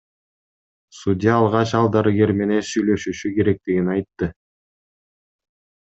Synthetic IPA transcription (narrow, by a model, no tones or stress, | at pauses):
sudʲɪjɑːlˠʁɑt͡ʃɑlˠd̪ɑɾɯɡe̞ɾme̞ne̞nsyjlø̞ʃyʃyke̞ɾe̞k̚t̪iɡinɑjt̪ːɯ